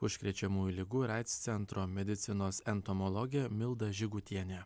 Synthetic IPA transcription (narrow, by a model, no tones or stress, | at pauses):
ʊʃʲkʲɾʲɛt͡ʃʲɛmuːjulʲɪɡuːɾɑɪt̪st̪sʲɛnˑt̪ɾoːmʲɛd̪ʲɪt̪sʲɪnoːsɛnt̪ɔmɔlˠɔɡʲɪjɛmʲɪlˠd̪ɐʒʲɪɡʊt̪ʲiɛnʲe